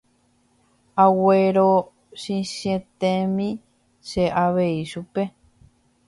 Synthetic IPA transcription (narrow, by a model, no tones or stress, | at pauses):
aweɾo | ʃĩʃẽt̪ẽmĩ | ʃeʔaʋe̞iʃupe